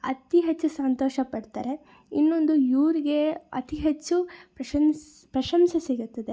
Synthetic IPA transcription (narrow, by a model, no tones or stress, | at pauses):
ɐ̰t̪iɦet͡ʃːusɐnt̪oːʃɐpɐɽt̪aːɾe̞ | inːo̞nd̪ujuːɾiɡe̞ɐ̰t̪iɦet͡ʃːupɾɐɐns | pɾɐʃɐmsɐsiɡut̪ːɐd̪e̞